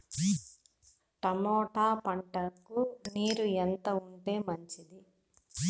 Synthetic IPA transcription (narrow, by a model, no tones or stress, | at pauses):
ʈɐmɔːʈaːpɐɳʈɐkːuniːɾuent̪ɐuɳʈe̞ːmɐɲt͡ʃid̪i